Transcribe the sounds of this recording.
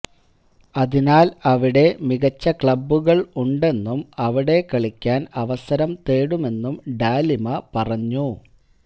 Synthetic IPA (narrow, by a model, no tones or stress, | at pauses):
ɐðinaːlɐʋiɽe̞miɣɐt͡ɕːɐkɭɐbːuɣɐɭuɳɖe̞nːumɐʋiɽe̞kɐɭikʲːaːnɐʋɐsɐɾɐmt̪eːɽume̞nːumɖaːlimɐpɐrɐɲːu